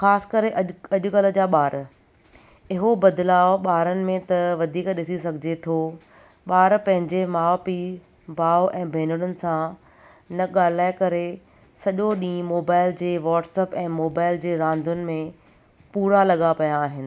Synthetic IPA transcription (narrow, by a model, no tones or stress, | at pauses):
xaːsɪ̥kɐɾeʔɐɐʄʊkɐl̤ə̆d͡ʑaːɓaːɾ | ɪɦobɐd̪laːɓaːɾənɪ̆mẽt̪ɐʋɐd̪ʱiːkɗɪsisɐɡʱɪd͡ʑet̪ʰo | ɓaːɾpɐ̃ɦɪ̃ɲd͡ʑemaːpi | baːʊʔɛ̃ːbʱeːnʊɽ̃ʊnɪ̆sã | nɐɠaːl̤aːekɐɾe | sɐʄoɗĩːmoːbaːɪld͡ʑeːʋɔːʈsɛːpɛ̃ːmoːbaːɪld͡ʑeːɾãːnd̪ʱʊnɪ̆mẽ | puːɾalɐɠapɐjaːɦɪnɪ̆